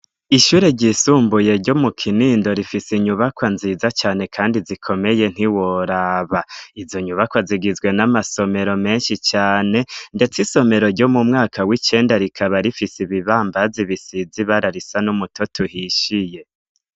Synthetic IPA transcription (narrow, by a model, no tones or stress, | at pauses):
iʃuːɾeɟisuːmbuje̞ɾɟomukʰiniːndo̞ɾifisiɲuβakwanziːzat͡ʃaːne̞kʰaːndizikʰo̞me̞je̞n̥hiwoɾaβaizo̞ɲuβakwaziɡizɡwe̞namaso̞me̞ɾo̞me̞ːnʃit͡ʃaːne̞nde̞t͡siso̞me̞ɾo̞ɾɟo̞mumŋaːkʰawit͡ʃe̞ːndaɾikʰaβaɾifisiβiβaːmbaziβisiziβaɾaɾisanumutʰotʰuhiʃije̞